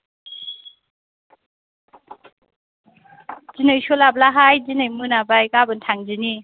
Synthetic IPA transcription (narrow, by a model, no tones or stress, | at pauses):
zinɯjsolab̚laɦajzinɯjmɯnabajkabɯntʰaŋzini